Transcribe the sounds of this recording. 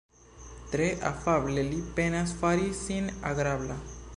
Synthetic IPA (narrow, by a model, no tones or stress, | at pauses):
t̪ɾeʔa̰fablelipenasfaɾisina̰ɡɾabla